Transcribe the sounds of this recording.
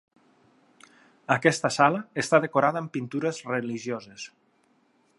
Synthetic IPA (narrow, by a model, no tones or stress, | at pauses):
əkɛst̪əsaləest̪aðekoɾaðəːmpint̪uɾəzreliʒjozes